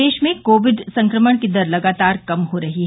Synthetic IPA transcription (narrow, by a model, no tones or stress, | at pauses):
eːʃmẽkoːʋɪɖsɐ̃ŋkɾəməɽ̃kid̪ɐɾlɐɡaːt̪aːɾkɐmɦoɾɐɦiɦ